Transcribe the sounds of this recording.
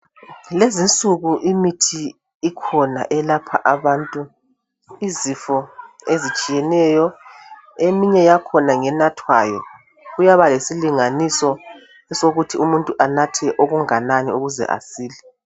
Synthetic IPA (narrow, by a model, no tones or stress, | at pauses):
lezint͡sʼuɣuʔimitʰiː | kʰɔna̰ʔɛlapʰa̰ʔaβaːntʼu | izifɔezit͡ʃʼijɛnɛjɔ | emiɲɛjakʰɔnaŋɛnatʰwa̰ːjɔ̰ | ɣujaβalesiliŋanisɔ | ɛsoɣutʰiumuntʼuʔanatʰɛʔoɣuŋananiuɣuzɛ̰ʔa̰siːli